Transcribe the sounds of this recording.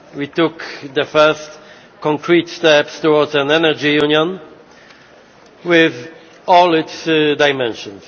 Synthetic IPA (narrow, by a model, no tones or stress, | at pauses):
wit̪ʊkd̪əfɛst | kɔ̃ŋkɹit̪st̪ɛpst̪ɔwɔdzæ̃nɛnɛd͡ʒijunjɔ̃n | wɪð | ɔlɪt̪sdajmɛ̃nʃɔ̃ns